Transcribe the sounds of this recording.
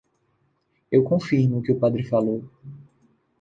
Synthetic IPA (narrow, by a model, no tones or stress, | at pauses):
ewkõfinʊkɪʊpad̪ɾɪfalow